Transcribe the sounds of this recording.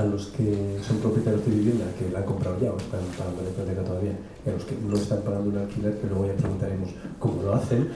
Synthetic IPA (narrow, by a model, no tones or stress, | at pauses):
alo̞ske̞so̞mpɾopjet̪aɾjozðeβiβje̞nd̪ake̞laŋko̞mpɾawʝaoest̪ampaɣand̪onepat̪̬ekat̪oaβia | ialo̞ske̞no̞e̞st̪ampaɣand̪ounalkiilekelwe̞oapɾe̞ɣunt̪aɾe̞mo̞sko̞molo̞aθe̞n